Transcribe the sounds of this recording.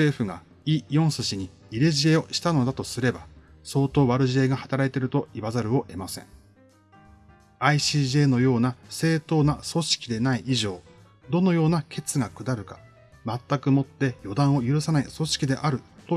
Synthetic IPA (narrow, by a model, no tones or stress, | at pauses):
se̞ːɸɯ̟ɡa | ijõ̞ɰ̃sɨɕiɲ̟i | iɾe̞ʑie̞o̞ɕi̥t̪ano̞d̪at̪osɨɾe̞ba | so̞ːt̪o̞ːβaɾɯ̟ʑie̞ɡahat̪aɾait̪e̞ɾɯ̟t̪o̞iβazaɾɯ̟o̞ʔe̞masẽ̞̰ŋ | aiɕiːʑe̞ːno̞jo̞ːnase̞ːt̪o̞ːnaso̞ɕi̥kʲid̪e̞naiʔiʑo̞ː | d̪o̞no̞jo̞ːnakʰe̞t͡sɨɡakɯ̟d̪aɾɯ̟kḁ | mat̪ːakɯ̟mo̞t̪ːe̞jo̞d̪ãɰ̃o̞jɯ̟ɾɯ̟sanaiso̞ɕi̥kʲid̪e̞ʔaɾɯ̟t̪o̞